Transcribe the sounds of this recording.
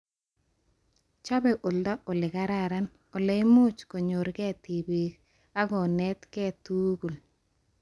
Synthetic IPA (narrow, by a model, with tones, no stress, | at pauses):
t͡ʃɔ˦bɛ˨ʔo˨ldɔ˦ʔo˨lɪ˨ɡa˦ɾa˦ɾa˦n | o˨le˨˦mu˦t͡ʃko˨ɲo˨ɾɡɛ˦˨ti˨bi˨k | a˦ɡɔ˨nɛ˦t̪kɛ˦˨tu˦ɡu˨l